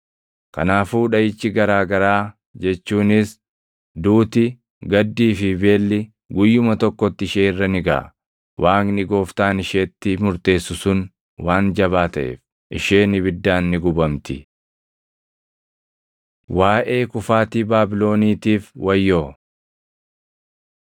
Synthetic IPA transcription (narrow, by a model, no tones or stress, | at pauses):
kɐnaːfuːᶑɐjɪt͡ʃːɪɡɐɾaːɡɐɾaː | d͡ʒɛt͡ʃːuːnɪs | d̪uːt̪ɪ | ɡɐd̪ːiːfɪbe̞ːlːɪ | ɡʊjːʊmɐt̪ɔkːɔt̪ːɪʃeːɪrːɐnɪɡɐ̰ʔ | wʔaːknɪɡo̞ːft̪aːnɪʃeːt̪ːɪmʊɾt̪e̞ːsːʊsʊn | waːnd͡ʒɐβaːt̪ɐʔḛːf | ʔɪʃeːnɪβɪd̪ːaːnːɪɡʊbɐmt̪ɪ | waːʔe̞ːkʊfaːt̪iːbaːbɪlo̞ːniːt̪iːfwɐjːoː